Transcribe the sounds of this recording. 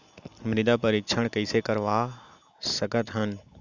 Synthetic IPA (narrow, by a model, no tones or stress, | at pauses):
mɾid̪apɐɾikʃʰəɽ̃kɐisekɐɾʋaː | sɐɡʱət̪ɦən